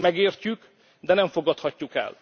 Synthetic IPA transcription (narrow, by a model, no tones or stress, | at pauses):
mɛɡeːrcyk | d̪ɛnɛɱfo̞ɡɒt̪hɒcːukɛ̰l